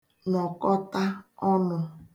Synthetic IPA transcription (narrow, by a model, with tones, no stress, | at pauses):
nɔ˨kɔ˦ta˦ɔ˦nʊ˨